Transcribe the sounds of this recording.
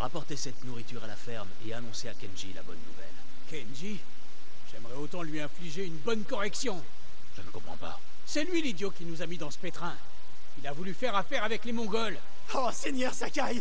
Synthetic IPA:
ʁapɔʁt̪esɛt̪nuʁit̪yʁalafɛʁmeanɔ̃seakʲɛnʒila̰bɔnːṵvɛ̰l | kɛnʒi | ʒ̥ɛmʁɛot̪ɑ̃lɥiɛ̃fliʒeynbɔnkɔʁɛksjɔ̃ | ʒ̥ənəkɔ̃pχɑ̰̃pa̰ | sɛlɥilid̪jokʲinuzamid̪ɑ̃sə̥pet̪χɛ̃ | ilavulyfɛʁafɛʁavɛklemɔ̃ɡɔl | osenjœʁsakaj

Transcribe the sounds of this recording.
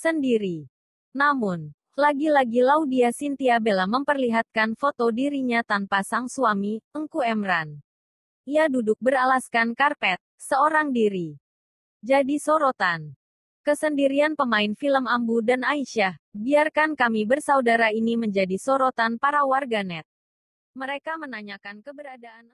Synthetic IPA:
səndiɾi | namʊn | laɡilaɡilaudiasint̪iabelaməmpərliɦat̪̚kanfot̪odiɾiɲat̪anpasaŋsuamiəŋkuɛmɾan | ʔiadudʊk̚bəralaskankarpɛt̪̚səoɾaŋdiɾi | d͡ʒadisoɾot̪an | kəsəndiɾianpəmaɪnfiləmambudanaiʃahbiarkankamibərsaudaɾainiməɲd͡ʒadisoɾot̪anpaɾawarɡanɛt̪̚ | məɾekamənaɲakankəbəɾadaan

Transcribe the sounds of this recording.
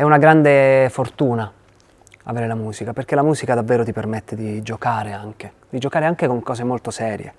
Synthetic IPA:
ɛunaɡɾand̪efort̪uːna | a̰veːɾelamuːzikaperk̟elamuːzikad̪avːeːɾot̪ipermet̪ːed̪id͡ʒokaːɾeaŋk̟e | d̪id͡ʒokaːɾeaŋkekoŋkɔːzemolt̪osɛːɾjḛ

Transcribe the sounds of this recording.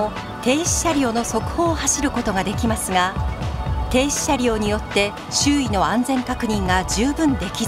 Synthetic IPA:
o | t̪e̞ːɕi̥ɕaɾʲio̞ːno̞so̞kɯ̟̥ho̞ːhaɕiɾɯ̟ko̞t̪o̞ɡad̪e̞kʲimasɨɡa | t̪e̞ːɕi̥ɕaɾʲio̞ːɲ̟ijo̞t̪ːe̞ | ɕɨːino̞ãnd͡zẽ̞ŋkakɯ̟ɲ̟ĩŋɡad͡ʑɨːbɯ̟̃nd̪e̞kʲi

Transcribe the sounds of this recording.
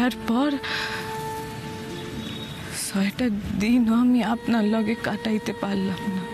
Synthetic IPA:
aɾpɔɾ | sɔeʈad̪inɦɔmiapnalɔɡekaʈait̪epalːapna

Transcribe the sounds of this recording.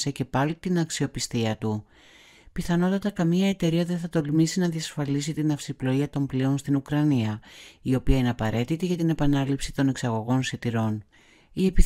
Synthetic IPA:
se̞ce̞pɐlit̪inɐksio̞pist̪iɐt̪u | piθɐno̞t̪ɐt̪ɐkɐmiɐe̞t̪e̞ɾiɐðe̞nθɐt̪o̞lmisinɐðiɐsfɐlis̬it̪inɐfsiplo̞iɐt̪o̞mpleo̞nst̪inukɾɐniɐio̞piɐine̞ɐpɐɾe̞t̪it̪iʝɐt̪ine̞pɐnɐlipsi̥t̪o̞ne̞ksɐɣo̞ɣo̞nsit̪iɾo̞n | ie̞pi

